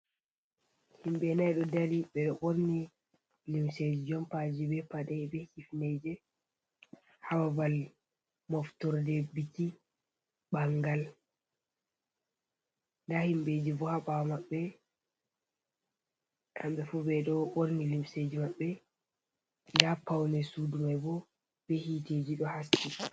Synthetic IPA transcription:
himbɛnajɗɔdaɾiɓɛɗɔʔoɾni | limsed͡ʒid͡ʒɔmpad͡ʒibɛpadɛɛbɛhifned͡ʒɛ | hawabal | mɔftɔɾdɛbiti | ɓaŋɡal | ndahimbed͡ʒibɔhaɓawamaɓːɛ | kambɛfubɛɗɔʔoɾnilimsed͡ʒimaɓːɛ | ndapawnɛsudumajbɔ | b̥ɛhited͡ʒiɗɔhasi

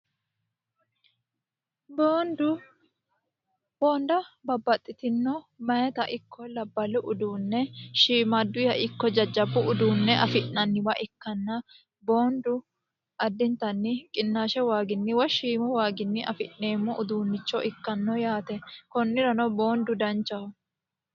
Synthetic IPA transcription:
boːnd̪ʊ | boːnd̪ɐbɐbːɐt̪ʼːɪt̪ɪnːɔmɐjɛt̪ɐʔɪkʰːɔlɐbːɐlʊʔʊd̪uːnːɛʃiːmɐd̪ːʊjɐʔɪkːɔd͡ʒɐd͡ʒɐbːʊʊd̪uːnːɛʔɐfɪʔnɐnːɪbɐʔɪkːɐnːɐ | boːnd̪ʊ | ɐd̪ːɪnt̪ɐnːɪkʼɪnːaːʃɛwaːɡɪnːɪwɔʃiːmɔwaːɡɪnːɪʔɐ̰fɪ̰ʔne̞ːmːɔʔʊd̪uːnːɪt͡ʃːɔʔɪkːɐnːɔjaːt̪ɛkɔnːɪɾɐnɔboːnd̪ʊd̪ɐnt͡ʃːɐhʊ

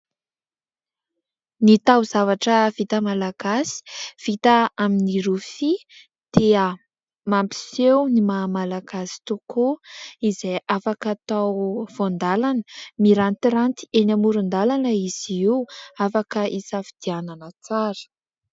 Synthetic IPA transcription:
nit̪awzavaʈ͡ʂəv̥it̪əmalaɡ̥asi̥v̥it̪əaminiɾufi | d̪̥eə | mampi̥sewnimaːmalaɡ̥asi̥t̪ukoizejʔafakat̪awv̥ond̪alanəmiɾant̪iɾant̪i̥enamuɾund̪alanəiz̥iiwafakəʔisafi̥d̪̥iananət͡saɾə̥

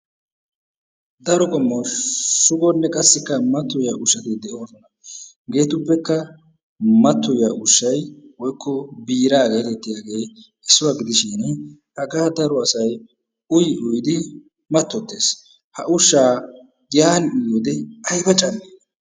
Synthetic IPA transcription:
d̪ɐɾɔkɔmːɔʃʊɡɔnːɛkʼɐsːɪkːɐmɐt̪ːɔjaːʔʊʃːɐt̪ɪd̪ɛʔo̞ːsɔnɐ | ɡe̞ːt̪ʊpːɛkːɐ | mɐt̪ːɔjaːʊʃːɐjwɔjkːɔbiːɾaːɡe̞ːt̪ɛt̪ːɪjaːɡe̞ː | ɛsːʊwaɡɪd̪ɪʃɪnhɐɡaːd̪ɐɾɔɐsɐj | ʊjɪʔʊjd̪ɪ | mɐt̪ːɔt̪ːe̞ːs | hɐ̰ʔʊʃːaː | ɡɪjaːnɪjoːd̪ɛɐjbɐt͡ʃʼɐne

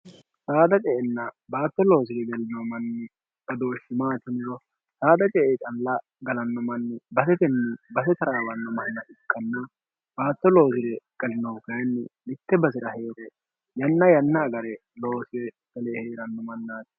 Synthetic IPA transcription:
saːd̪ɐt͡ʃʼɛʔɛnːɐbaːt̪ːɔlo̞ːsɪɾɛɡɛlɪnɔmɐnːɪ | bɐd̪o̞ːʃːɪmaːt̪ɪnɪɾɔ | saːd̪ɐt͡ʃʼɛʔet͡ʃʼɐlːɐ | ɡɐlɐnːɔmɐnːɪbɐsɛt̪ɛnːɪbɐsɛt̪ɐɾaːwɐnːɔmɐnːɐʔɪkːɐnːɐ | b̥aːt̪ːɔlo̞ːsɪɾɛɡɐlɪnɔwkɐjnːɪmɪt̪ːɛbɐsɛɾɐheːɾɛ | jɐnːɐjɐnːɐːɡɐɾɛ | lo̞ːsɪɾɛ | ɡ̥ɐlɛheːɾɐnːɔmɐnːaːt̪

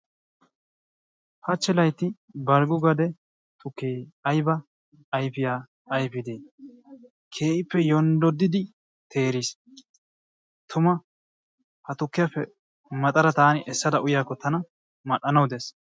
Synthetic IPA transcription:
hɐt͡ʃːɛlɐjt̪ːɪ | bɐɾɡʊɡɐd̪ɛ | t̪ʊkːeːɐjbɐː | jpɪjaː | jpɪd̪eː | kʰe̞ːʔɪpːɛjɔnd̪ɔd̪ːɪd̪ɪ | t̪ʰe̞ːɾiːs | t̪ʰʊmɐ | hɐt̪ʊkːɪjapːɛ | mɐt̪ʼɐɾɐt̪aːnɪʔɛsːɐd̪ɐʔʊjaːkːɔt̪ɐnɐ | mɐɗːɐnɐwd̪es

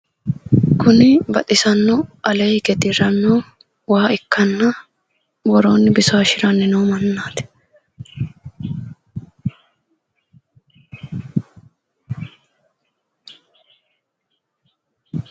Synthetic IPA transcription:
kʊnɪbɐt̪ɪsɐnːɔʔɐleːjkɛt̪iɾɐnːoː | waːɪkːɐnːɐ | bɔɾoːnːɪbɪsoʃɪɾɐnːɪnoːmɐnːaːt̪ɛ̥

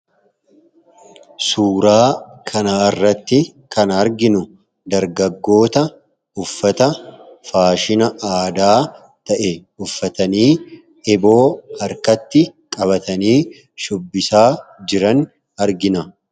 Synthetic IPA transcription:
suːɾaːkʰɐnaːɪrːɐt̪ːɪkɐnɐɾɡɪnʊ | d̪ɐɾɡɐɡːo̞ːt̪ɐ | ʊfːɐt̪ɐfaːʃɪnɐʔaːd̪aː | t̪ɐʔɛ | ʊfːɐt̪ɐniː | ɪbo̞ːhɐɾkɐt̪ːɪkʼɐbɐt̪ɐniː | ʃʊbːɪsaːd͡ʒɪɾɐn | ɐɾɡɪnɐ

